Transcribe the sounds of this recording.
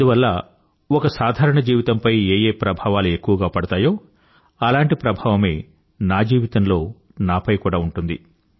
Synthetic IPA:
ɐnd̪uʋɐlːɐ | ɔkɐsaːd̪ʱaːɾɐɳɐd͡ʒiːʋit̪ɐmpɐjeːjeːpɾɐbʱaːʋaːlue̞kːuʋɐɡaːpɐɽɐt̪aːjo̞ː | ɐlaːɳʈipɾɐbʱaːʋɐme̞ː | naːd͡ʒiːʋit̪ɐnlo̞ː | naːpɐjkuːɽaːuɳʈund̪ḭ

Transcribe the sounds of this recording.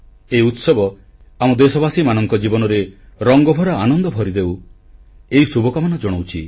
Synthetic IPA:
eiut̪sɔbɔ | amɔd̪esɔbasimanɔŋkɔd͡ʒibɔnɔɾeɾɔŋɡɔbʱɔɾaanɔnd̪ɔbʱɔɾid̪ew | eɦisubʱɔkamanɔd͡ʒɔɽ̃owt͡ʃʰi

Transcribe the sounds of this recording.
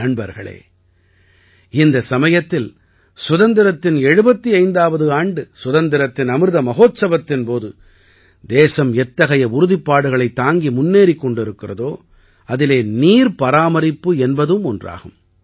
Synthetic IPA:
nɐɳbɐ̰ɾɣɐ̰ɭḛː | ɪnd̪ɐsɐmɐjɐt̪ːɪl | sʊðɐnd̪ɪɾɐt̪ːɪnɛɻɯbɐt̪ːiɐɪnd̪aːʋɐðɯaːɳɖɯsʊðɐnd̪ɪɾɐt̪ːɪnɐmɯɾðɐmɐɣoːt̪sɐbɐt̪ːɪnpoːðɯ | d̪eːsɐmɛt̪ːɐɣɐjɐʊɾʊðɪpːaːɽɯɣɐɭɐɪt̪ːaːŋɡimʊnːeːɾikːɔɳɖɪɾɯkːɪrɐðoː | ɐðɪleːniːɾpɐɾaːmɐɾɪpːɯɛnbɐðɯmɔndra̰ːɣɯm

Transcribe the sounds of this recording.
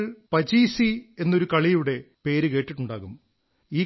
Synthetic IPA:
ɭpɐd͡ʑiːsie̞nːoɾukɐɭijuɽe̞ | pe̞ːɾɨkeːʈːiʈːuɳɖaːɣum | iː

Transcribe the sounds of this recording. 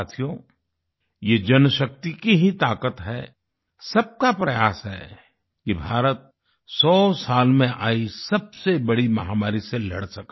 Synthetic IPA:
aːt̪ʰijo | jeːd͡ʒɐnʃək̚t̪ikiɦit̪aːkət̪ɦɛ | sɐb̚kapɾɐjaːsɦɛ̰ | kibʱaːɾət̪̚ | sɔːsaːlmẽʔaːisɐbsebɐɽimɐɦaːmaːɾiselɐ̰ɽsɐk

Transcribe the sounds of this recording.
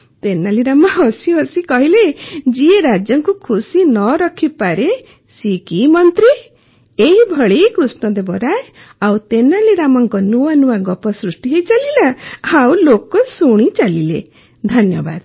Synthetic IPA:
t̪enaliɾamaɔsiɦɔsikɔɦiled͡ʒieɾad͡ʒjɔŋkukʰusinɔɾɔkʰipaɾe | sikimɔnt̪ɾi | eɦibʱɔɭikɾusnɔd̪ebɔɾae | awt̪enaliɾamɔŋkɔnuanuwaɡɔpɔsɾusʈiɦet͡ʃalilaawlokɔsuɽ̃it͡ʃalilḛ | d̪ʱɔnjɔba̰d̪

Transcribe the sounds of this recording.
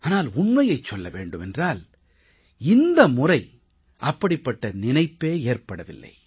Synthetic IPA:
aːnaːlʊɳmɐjɐɪt͡ʃːɔlːɐʋeːɳɖɯmɛndraːl | ɪnd̪ɐmʊrɐɪ | ʔɐpːɐɽɪpːɐʈːɐnɪnɐɪpːeːeːrpɐɽɐʋɪ̰lːɐ̰ɪ

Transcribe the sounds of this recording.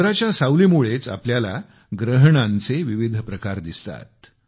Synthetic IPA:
ɾat͡ɕjasawlimuɭet͡sa̰pljala | ɡɾəɦɳãnt͡seʋiʋid̪ʱpɾəkaɾd̪ist̪a̰t̪̚

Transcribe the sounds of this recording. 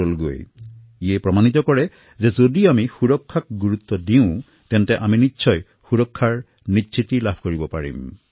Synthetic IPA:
olɡo̰j | iɛpɹɔmanit̪ɔkɔɹɛ | zezodiamixuɹɔkʰːak̚ɡuɹut̪ːɔdiʊ̃ | t̪ɛntɛʔaminitːʃʰɔj | xuɹɔkʰːaɹ | nitːsʰit̪ilabʱkoɹibɔpaɹḭm

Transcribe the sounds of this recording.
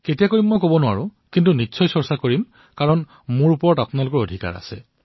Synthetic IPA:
ketijakoɹimːɔjkobɔnʊa̰ɹukintunitːsɔjsɔɹsakoɹim | kaɹɔn | mʊɹupɔɹɔtapʊnalʊkɔɹodʱika̰ɹa̰sɛ̰

